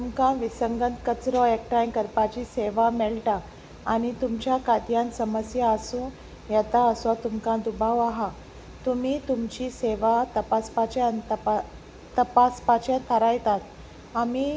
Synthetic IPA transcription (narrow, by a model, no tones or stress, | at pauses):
t̪umkãʋisəŋɡənt̪kət͡sɾɔek̚ʈajkəɾpat͡ɕiseʋamɛɭʈaː | ñit̪umt͡ɕjakat̪jãnsəməsjaəsũ | jɛt̪aəsɔt̪umkãd̪ubʱaʋaɦa | t̪um̤iːt̪umt͡ɕiseʋat̪əpaspat͡ɕeənt̪p | t̪əpaspat͡ɕẽt̪ʰəɾajt̪at̪ | ami